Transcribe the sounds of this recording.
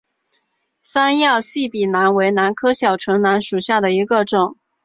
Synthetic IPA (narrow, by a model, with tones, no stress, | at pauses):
sa˥njɑ˥˧ʊɕi˥˩pi˨˩na˧˥nwe˧˥ɪna˧˥nkʰɤ˥ɕjɑ˨˩ʊʈ͡ʂʰɤ˧˥ŋna˧˥nʂu˨˩ɕja˥˩d̪ə˩i˧˥ɡə˧ʈ͡ʂʊ˨˩˦ŋ